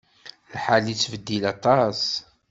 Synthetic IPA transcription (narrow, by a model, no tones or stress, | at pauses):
lħalit͡sːvəd̪ːilɑt̪ˤɑs